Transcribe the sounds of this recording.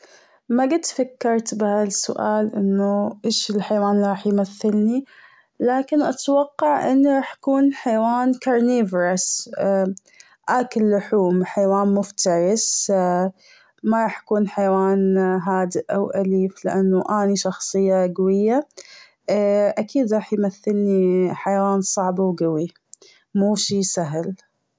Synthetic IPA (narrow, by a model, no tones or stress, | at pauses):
maɡɪd̪fakːɑɾˤt̪bɪhasʊ̰ʔaːlʔɪnːʊʔeːʃɪlħajwaːnlɾˤɑːħjmaθːɪlni | laːkɪnʔat̪wɑqːɑʕʔɪnːɾˤɑːħjḁkuːnħajwaːnkɑɾˤneːvɾas | ʔaːkɪlːʊħuːmħajwaːnmʊft̪ɑɾˤɪs | maɾˤɑːħjakuːnħajwaːnɦaːd̪ɪʔʔawʔaliːflɪʔanːuʔaːniʃɑxsˤɨjːaɡawɪjːa | ʔakʰiːd̪ɾˤɑːħjmaθːɪlniħajwaːnsˤɑʕbawɡawi | muːʃiːsaɦl